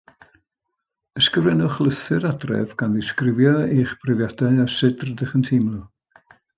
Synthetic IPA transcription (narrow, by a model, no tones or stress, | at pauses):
əskəvrɛnʊχlˠəθɨɾadrɛ̰vɡ̥anðɪskrɪvjɔiːχb̥rɪvjadaɨasɪdrədəχəntʰimlˠu